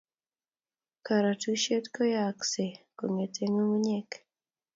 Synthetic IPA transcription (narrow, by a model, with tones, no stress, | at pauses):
ka˨ɾa˨tu˦ʃe˦tkɔ˦ja˨kse˨ko˨ŋe˨tʰe˦ŋo˦wu˦ɲe˦k